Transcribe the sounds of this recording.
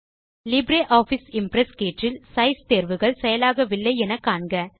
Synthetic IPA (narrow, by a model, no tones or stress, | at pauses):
lɪbɾeːʔaːfɪsɪmpɾɛskeːʈrɪlsɐɪst̪eːɾʋɯɣɐɭsɛjɐlaːɣɐʋɪlːɐɪɛnɐkːaːɳɡɐ